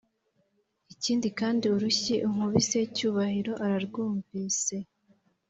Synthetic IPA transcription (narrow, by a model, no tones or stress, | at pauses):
iciːndikaːndiuɾuçiʔuŋ̥uβise̞cuːβahiɾo̞ʔaɾaɾɡuːɱviːse̞